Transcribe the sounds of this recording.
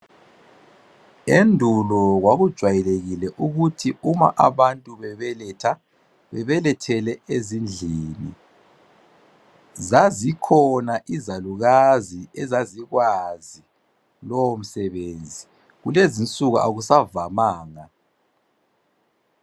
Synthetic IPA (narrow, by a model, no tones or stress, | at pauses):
endʱulɔɣwaɣud̥ʒ̥ʱwajɛleɣilɛʔuɣutʰiuma̰ʔaβantʼuβɛβɛlɛtʰa | βɛβɛlɛtʰɛlɛezind͡ɮʱiːnḭ | zazikʰɔnaʔizaluɣaziɛzaziɣwazi | lowom̩sɛβend͡zʱi | ɣulezint͡sʼuɣuʔa̰ɣusavamaːŋa